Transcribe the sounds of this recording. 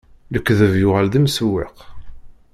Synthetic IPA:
ləkːðəvjʊʁalðimswːɪq

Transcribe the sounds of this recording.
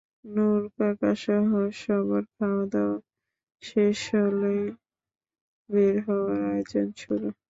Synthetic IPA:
nuɾkakaʃɔɦoʃɔbaɾkʰaoad̪aa | ʃeʃɔle | beɾɦɔwaɾajod͡ʑont͡ʃʰulo

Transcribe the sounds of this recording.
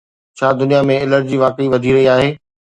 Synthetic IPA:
t͡ɕʰaːd̪ʊnijamẽɪləɾd͡ʑiːʋaːkiʋɐd̪ʱiɾɐɦiaːɦeː

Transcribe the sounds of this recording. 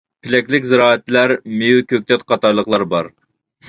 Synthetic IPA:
pʰɪlɛkʲlɪkʲzɪɾɑːɛt̪læɾmejukʲʰøk̚ʲt̪ʰɛt̪̚qʰɑt̪ɑɾlˠəqlˠɑɾbɑɾ

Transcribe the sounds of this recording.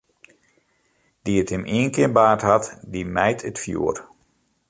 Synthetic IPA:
d̥iəthəmʔiənkɪənbaːɹtɦatdimɛjtʰətfjṵːər

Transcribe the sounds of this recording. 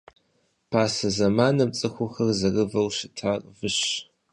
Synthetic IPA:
pʰaːsɐzɐmaːnɐb̚t͡sʼɨxʷʊxɐrzɐrɨvɐlʃɪtʰarʼvɨɕ

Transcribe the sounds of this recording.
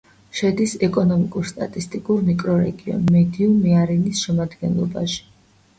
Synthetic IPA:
ʃɛd̪isɛkʼɔnɔmikʼuɾst̪ʼat̪ʼist̪ʼikʼuɾmikʼɾɔɾɛ̰ɡiɔ̰nmɛd̪iumiaɾinisʃɛmad̪ɡɛnlˠɔ̰ba̰ʃi̥

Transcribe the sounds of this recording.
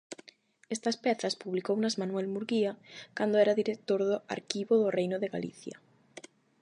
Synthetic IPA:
est̪ɐspɛθɐspuβlikownazmanwɛlmuɾɣiakand̪oɛɾaðiɾek̚t̪oɾðʊa̰ɾkiβoðʊrejnʊðeɣalḭθjɐ̰

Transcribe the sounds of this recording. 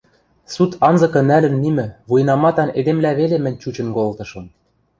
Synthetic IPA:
sut̪ʰɑnzɤ̆kɤ̆nælɘ̆nːimɘ̆βujnɑmɑt̪ɑned̪emlæβelemɘ̆nʲt͡ɕut͡ɕɤ̆nkolt̪ɤ̆ʃɤ̆m

